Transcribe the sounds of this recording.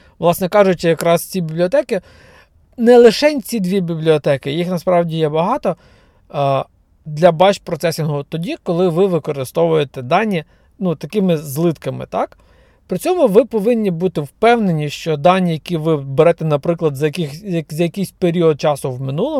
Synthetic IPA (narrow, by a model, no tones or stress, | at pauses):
ʋlˠɑsnɛkɑʒʊt͡ʃʲɪjɐkɾɑst͡sʲibʲiblʲiɔt̪ɛkɪ | nɛlˠɪʃɛnʲt͡sʲid̪ʋʲibʲiblʲiɔt̪ɛkɪjixnɐspɾɑwdʲijɛbɐɦɑt̪ɔ | d̪lʲɐbɑt͡ʃpɾɔt̪sɛsʲinɦʊt̪ɔdʲikɔlˠɪʋɪʋɪkɔɾɪst̪ɔʋʊjet̪ɛd̪ɑnʲːi | nut̪ɐkɪmɪzlˠɪt̪kɐmɪ̰t̪ɑk | pɾɪt͡sʲɔmʊʋɪpɔʋɪnʲːibut̪ɪwpɛwnenʲiʃt͡ʃɔd̪ɑnʲːijɐkʲiʋɪbeɾɛt̪ɛnɐpɾɪklˠɐd̪zɐkɪxɐzɐjɐkʲɪjsʲpeɾʲiɔd̪̚t͡ʃɑsʊwmɪnulˠɔ